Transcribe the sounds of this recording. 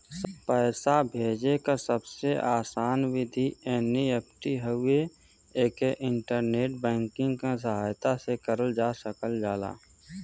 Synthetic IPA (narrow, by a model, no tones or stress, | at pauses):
pəːsabʱeːd͡ʒekasəbseʔaːsaːnwɪd̪ʱiɛːniep̚ʈiɦəʊe | eːkeʔɪ̃ɳʈəɾneːʈ̚bɛ̃ːŋkɪ̃ŋɡkas̬əɦaːjt̪asekəɾəld͡ʒaːsəkəld͡ʒaːla̰ː